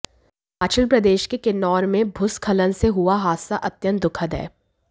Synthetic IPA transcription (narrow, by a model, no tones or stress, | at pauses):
aːt͡ʃəlpɾɐd̪eːʃkekenɔːɾmẽbʱʊskʰɐlənseɦuaɦaːsaʔɐt̪jə̃nd̪ʊkʰəd̪ɛ̰ː